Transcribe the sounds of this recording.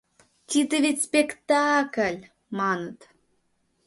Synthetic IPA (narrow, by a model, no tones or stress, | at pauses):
t̪id̪əvetʲspekt̪ɑkəlʲ | mɑnət̪